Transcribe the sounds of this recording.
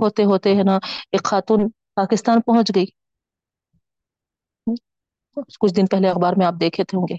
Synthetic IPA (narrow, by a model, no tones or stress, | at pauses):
ɦoːt̪eɦoːt̪eɦɛnaeːkxaːt̪uːn | paːkɪst̪aːnpɐɦʊ̃t͡ʃɡɐiː | kʊt͡ʃʰd̪ɪnpɛɦleɐxbaːɾmẽaːp̚d̪eːkʰet̪ʰeɦõːŋɡeː